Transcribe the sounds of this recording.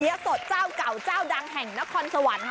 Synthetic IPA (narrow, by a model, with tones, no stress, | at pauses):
i˧˦˥so˨˩t̪̚t͡ɕaː˥˩wka˨˩wt͡ɕaː˥˩wda˧ŋɦɛ˨˩ŋna˦˥kʰɔː˧nsa˧wa˨˩˦n